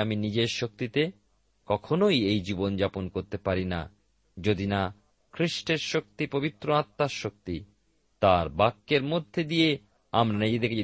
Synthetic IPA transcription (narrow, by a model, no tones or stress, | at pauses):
aminid͡ʑeɾʃok̚t̪it̪e | kɔkʰonojejd͡ʑibond͡ʑaponkoɾt̪epaɾina̰ | d͡ʑod̪ina | kʰɾiʃʈeɾʃok̚t̪ipobit̪ːɾoat̪ːaʃok̚t̪i | t̪aɾbakːeɾmod̪ʱːed̪ije | amɾanid͡ʑed̪ekee